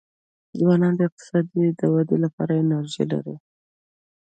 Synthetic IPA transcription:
zwɑnɑnd̪əɪq̚t̪ɪ̥sɑd̪id̪əwad̪elapɑ̰ɾajeɪnaɾʒḛla̰ɾi

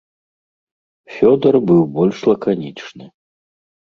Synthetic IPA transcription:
fʲɔd̪ɐrbɨwbɔlʲʂlˠɐkanʲit͡ʂnɨ

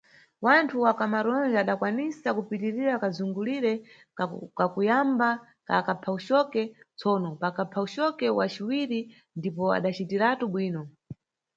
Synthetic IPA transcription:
wantʰuwakamaɾɔnd͡ʒaɗakwanisakupitiɾiɾakazuŋɡuliɾɛ | kakujamba | ka̰kapʰauʃɔkɛt͡sʰɔːnɔpakapʰauʃɔkɛwat͡ʃiwiɾi | ndipɔa̰ɗat͡ʃitiɾatuɓwiːnɔ

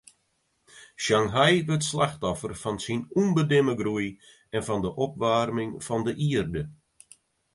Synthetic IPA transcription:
ʃaŋɦajʋøtslaxtɔfərfɑnsinunbədɪməɡruj | ɛnfɔndəʔɔp̚ʋarmɪŋfɑndəʔiərdə

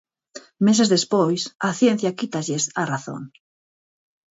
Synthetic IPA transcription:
mes̬ezðespojsaθjẽn̟θjakit̪aʎesaraθo̰ŋ

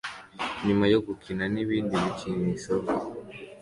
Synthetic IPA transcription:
ɲumajoɡukʰinaniβiːndimit͡ʃinisok

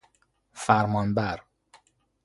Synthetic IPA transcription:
fæɾmɒːnbæɾ

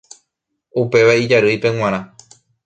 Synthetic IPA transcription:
upe̞ʋaid͡ʒaɾɨjpẽ̞ŋ̃ãɾ̃ã

